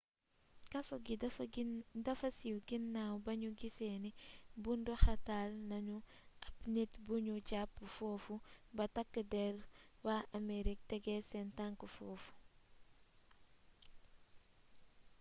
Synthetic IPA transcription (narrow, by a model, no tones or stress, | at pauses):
kɐsɔɡi | dɐfɐsiwɡinːawbɐɲuɡisɛːnibundɔxɐtaːlnɐɲu | ʔɐpnetbuɲuɟapːəfɔːfubɐtɐkːədɛlwaɐmeɾik̚tɛɡɛsɛntaŋkəfɔːfu̥